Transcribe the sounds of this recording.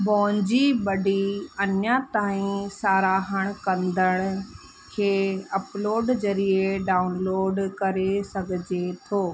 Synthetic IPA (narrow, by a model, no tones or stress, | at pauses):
bɔ̃ːɲd͡ʑibɐɖʱiɐnjat̪aːĩsaːɾaːɦəɽ̃kɐ̃nd̪ʱəɽ̃ʊ | kʰeːɐploːɖzɐɾieɖaːʊnloːɖkɐɾesɐɡʱɪd͡ʑet̪ʰoː